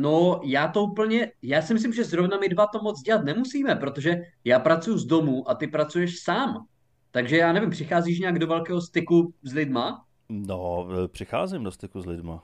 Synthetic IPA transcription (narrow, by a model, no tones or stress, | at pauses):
no̞jaːt̪o̞upl̩ɲɛjaːsɪmɪs̬lɪmʒɛzɾovnamɪdvat̪o̞mot͡sɟɛlat̪nɛmusiːmɛpɾot̪oʒɛjaːpɾat͡sujuzdomuːʔat̪ɪpɾat͡sujɛʃsaːm | t̪aɡʒɛjaːnɛvɪmpr̝̥ɪxaːziːʃ̬ɲaaɡdovɛlkɛːɦo̞st̪ɪkuzlɪdma | nopr̝̥ɪxa̰ːzɪmdost̪ɪkuzlɪdma̰